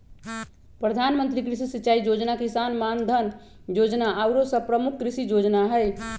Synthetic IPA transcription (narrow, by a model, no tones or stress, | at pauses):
pɾəd̪ʱanmənt̪ɾikɾisisitːt͡ʃaid͡ʒod͡ʒnakisanmand̪ʱən | jod͡ʒnaʔawɾosəpɾəmukʰkɾisid͡ʒod͡ʒnaɦəj